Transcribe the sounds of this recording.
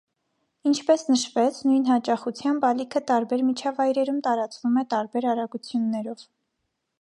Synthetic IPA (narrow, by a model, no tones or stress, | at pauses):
int͡ʃʰpɛsnəʃvɛt͡sʰnujn̪hɑt͡ʃɑχut͡sʰjɑmbɑlikʰət̪ɑɾbɛɾmit͡ʃʰɑvɑjɾɛɾumt̪ɑɾɑt͡svumɛt̪ɑɾbɛɾɑɾɑɡut͡sʰjunːɛɾɔv̥